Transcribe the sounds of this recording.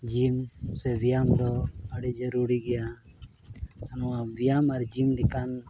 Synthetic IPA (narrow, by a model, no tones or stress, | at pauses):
d͡ʒimsɛbijamd̪ɔəɽid͡ʒəɾuɾiɡɛja | anuabijamaɾd͡ʒimd̪ikan